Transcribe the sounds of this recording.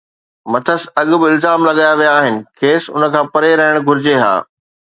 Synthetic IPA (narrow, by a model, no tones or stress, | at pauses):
mɐt̪ʰəsɐɠʊ̆bɪɪlzaːmlɐɠaːjaʋijaːɦɪnɪ̆kʰeːsʊ̰nə̆kʰãːpɐɾeɾɐɦɪɽ̃ɡʱʊɾɪd͡ʑeɦa̰ː